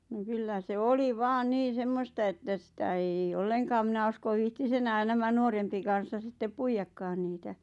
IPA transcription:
n̆ŏ kylːæ se oli ʋɑːn niːn̞ semːostɑ etːæ sĭtæ eij ĕĭ olːeŋkɑːm mĭnæ uskoʋ̆ ʋiːhtis enæːn næmæ nuorempi kɑn̞sːɑ sitːep puijɑkːɑːn niːtæ

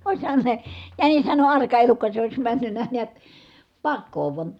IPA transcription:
oˑishɑn se jænishæn on ɑrkɑ elukːɑ se ois mænːynːæ niæt pɑkːoː ʋuɑn̞

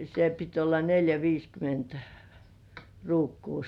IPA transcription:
se pit olːɑ neljæ ʋiːskyment ruːkːuː

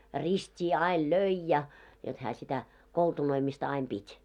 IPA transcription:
ristʲiː ɑil løi jɑ jot hæː sitæ koltunoimistɑ ɑim b̥itʲ

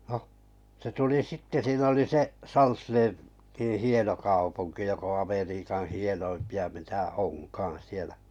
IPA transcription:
noh se tuli sitːe siːn oli seʔ sɑlsleː tĩː hieno kɑupuŋki jok õː ɑmeriːkɑn̞ hienoimpiɑ mitæ onkɑːɑ̃ sielæ

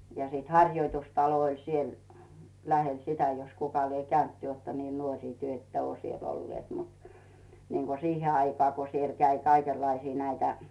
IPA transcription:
jɑ siːt hɑrʲjoitustɑlo olʲ siel læhel sitæ jos kukɑ lie kæynt ty oˑtːɑ niː nuorʲiˑ tyø̆ etːæ ŭoˑ sielː olːĭeˑt mut niːŋɡ̊o sihe ɑikɑː ko siel kæi kɑikelːɑisiː næitæ

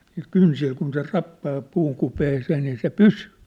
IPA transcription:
niːl kynsil kun se rɑpːɑː puːŋ kupeːseː niː se pysyː

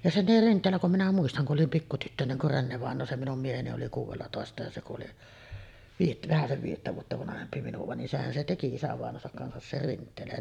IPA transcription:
jɑ se oli rintˑeːlːæ kum minæ muistɑŋ ku ʔolim pikːu tytːøneŋ kur renːeʋɑˑenˑoː se minum mieheni oli kuːʋelːɑtoˑestɑ jɑ se kuʔ ʔoli ʋiːjet ʋæhæseʋ ʋiːjetːæ ʋuotːɑ ʋɑnɑhempi minuʋɑ nin sehæn se teki isæʋɑˑenˑoːsɑk kɑnsɑs ser rintˑeːlæn

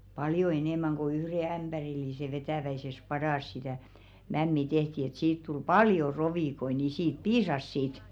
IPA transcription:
pɑljo eneˑmæŋ ko yhre æmb̥ærilːise ʋetæˑʋæises pɑdɑˑs sitæˑ mæmːi tehti et siːt tul pɑljo roʋiˑkoi ni siːt piːsɑs sit

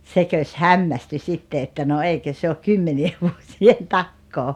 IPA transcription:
sekøs hɑmːæsty sitːe etːæ no eikø se ok kymːenieʋ ʋuosien tɑkːoː

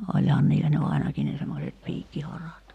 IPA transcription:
olʲhɑːn̆ niːlːæ ny ɑinɑki ne semːoset piːkːihɑrɑt

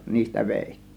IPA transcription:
niːstæ ʋeˑitːi̥ːn̥

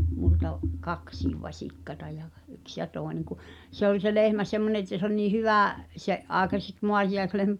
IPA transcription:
multɑʔ kɑksiːʋ ʋɑsʲikːɑtɑ jɑ ɡ̊ yks jɑ toˑeneŋ ku se olʲ se lehmæ semːone etːæ se olʲ niː hyʋæˑ seʔ ʔɑˑekɑseks moɑtijɑeslehmæ

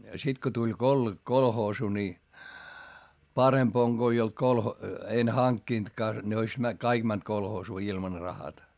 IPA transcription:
sit ko tulʲ kol kolhoːsu ni pɑremp oŋ ɡ̊o ei olt kolho en hɑŋkːintkɑː ne ois mæ kɑik mænt kolhoːsuː ilmɑn rɑhɑtɑ

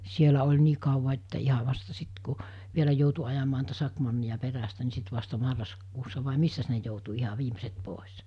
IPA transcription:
sielæ olʲ niː kɑuʋɑ etːæ ihɑ ʋɑstɑ sit ku ʋielæ joutu ɑjɑmɑː niːtæ sɑkmɑnːijɑ peræstæ ni sit ʋɑstɑ mɑrːɑskuːsːɑ ʋɑˑe misːæs ne joutu ihɑ ʋiːmeset poˑes

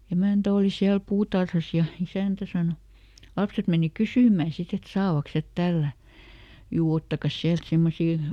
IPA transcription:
emæˑntæ oˑli siæl puːtɑrhɑs jɑ isæˑntæ sɑno lɑpset meni kysyˑmˑæˑ sit et sɑːʋɑks het tælːæˑ juː otːɑkɑs siælt semːosiː

